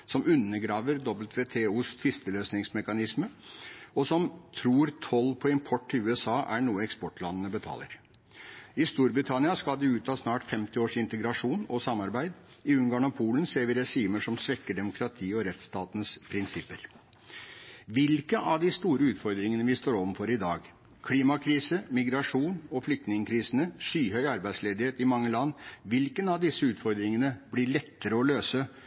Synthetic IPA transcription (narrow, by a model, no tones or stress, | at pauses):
sɔmʉnːəɡɾɑːʋəɾd̪ɔbəlt̪ʰʋeːt̪ʰeːuːst̪ʰʋɪst̪əløːsnɪŋsmɛkɑnɪsməɔsɔmt̪ʰɾuːɾt̪ʰɔlːpʰɔɪmpʰɔʈːɪlʉːɛsɑːʔæɳuːəɛkspɔʈlɑnːənəbət̪ʰɑ̰ːlə̰ɾ | ɪst̪uːɾbɾɪt̪ʰɑnɪɑskɑld̪ɛʉːt̪ʰɑːsnɑːʈfɛmt̪ɪoːʂɪnt̪əɡɾɑʂuːnɔsɑmːɑɾbæɪd̪ | ɪʉŋɡɑːnɔpʰuːlənseːɾʋɪɾɛʂiːməʂɔmsʋɛkːəɖɛmʊkʰɾɑt̪ʰiːɔɾɛt̪st̪ɑːt̪ən̩spʰɾɪnsɪpːəɾ | ʋɪlkəʔɑʋd̪ɪst̪uːɾəʉːt̪fɔɾd̪ɾɪŋənəʋɪst̪oːɾɔʋənfɔɾɪd̪ɑːɡ | kʰliːmɑkʰɾiːsəmɪɡɾɑʂuːnɔflʏk̚t̪nɪŋkʰɾiːsənəʂyːɦœʏɑɾbæɪd̪sleːd̪ɪheːt̪ɪmɑŋːəlɑnːʋɪlkənɑʋd̪ɪsːəʉːt̪fɔɾd̪ɾɪŋənəblɪɭɛt̪ːəɾəɔløːsə